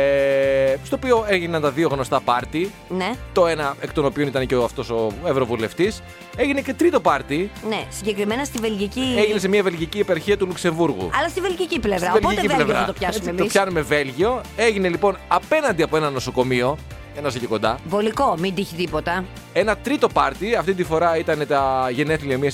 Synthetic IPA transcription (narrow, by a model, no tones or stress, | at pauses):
est̪ooːpio̞eʝinɐnt̪ɐðio̞ɣno̞st̪ɐpɐɾt̪i | net̪o̞e̞nɐekt̪onopio̞nit̪ɐnceoɐft̪o̞so̞evɾo̞vule̞ft̪is | e̞ʝine̞ce̞t̪ɾit̪o̞pɐɾt̪inesiɲɟe̞kɾimenɐst̪ive̞lʝicieʝines̬e̞miɐve̞lʝiciepɐɾçiɐt̪ulukse̞ɱvuɾɣṵɐlɐst̪ivelʝiciplevɾɐveloit̪ecilevɐɐɐt̪opçɐsumeospçɐnume̞ve̞lʝio̞e̞ʝinelipo̞nɐpe̞nɐnd̪iɐpoe̞nɐnːo̞so̞ko̞mio̞ | enɐsɐceko̞nd̪ɐvo̞liko̞mid̪içit̪ipot̪ɐ | e̞nɐt̪ɾit̪o̞pɐɾt̪iɐft̪it̪ifo̞ɾɐit̪ɐne̞t̪ɐʝe̞ne̞θliɐmiɐs